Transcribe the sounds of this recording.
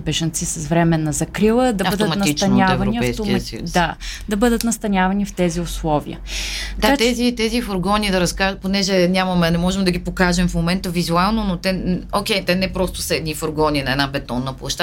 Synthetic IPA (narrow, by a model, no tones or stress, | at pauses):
bɛʒɐnt̪sisɐsvɾɛmɛnːɐzɐkɾilˠəd̪ɐbbəd̪ətmnɐit͡ʃt̪ɐnʲaɛvɐɾniɐpɛjst̪omisud̪ad̪ɐbɤd̪ət̪nɐst̪ɐnʲavɐnift̪ɛziʊslˠɔvḭə̰kat̪ɛzit̪ɛzifoɾɡɔnid̪ɐɾɐskaʒponɛʒɛnʲamɐmɛnɛmɔʒɛmd̪ɐɡʲipokaʒɛmfmomɛnt̪əvizualˠnonot̪ɛokʲɛjt̪ɛnɛpɾɔst̪ʊ̥sɐɛd̪nifoɾɡɔnʲinɐɛd̪nabɛt̪ɔnːəplˠɐʃt̪a